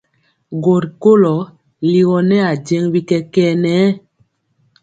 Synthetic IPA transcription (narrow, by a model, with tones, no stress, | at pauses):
ɡo˨ɾko˦lɔ˨˦ | li˦ɣɔ˨nɛ˦a˨d͡ʒe˦ŋwi˦kɛ˦kɛ˦nɛː˨˦